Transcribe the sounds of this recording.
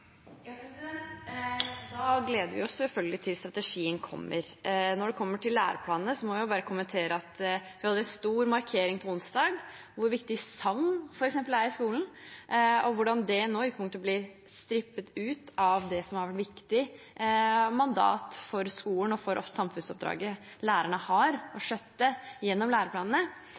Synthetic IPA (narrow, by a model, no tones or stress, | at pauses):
jɑpɛsɛ | d̪ɑːɡleːd̪əɾʋɪɔssɛlfœlɡəlɪt̪ʰɪlst̪ɾɑt̪əʂiːənkʰɔ̰mːʔə̰ɾnɔɖɛkʰɔmːəʈʰɪlːæ̰ːɾəpʰlɑːnnəsɔmɔʋɪjʊbɑːɾəkʰʊmənt̪ʰeːɾəɑt̪ʋɪhɑd̪əɾɛnst̪uːɾmɑɾkʰeːɾɪŋpʰɔʊnst̪d̪ɑːɡ | ʋʊɾʋɪkt̪ɪsɑŋfɔɾɛksɛmpəlæɾɪskuːln̩ | ɔʋʊɖɑnd̪ɛnoːʏkːpʊŋt̪əblɪɾ | st̪ɾɪpːət̪ʉːt̪ɑʋd̪ɛsɔmhɑɾʋæʈʋɪkt̪ɪ | mɑnd̪ɑ̰ːt̪fɔɾskuːlənɔfɔɾʔɔ̰ft̪sɑmfʉnsɔp̚d̪ɾɑ̰ːɡə | læːɾæɳəhɑɾɔʂœt̪ːəjɛnːɔmlæːɾəpʰlɑːnənə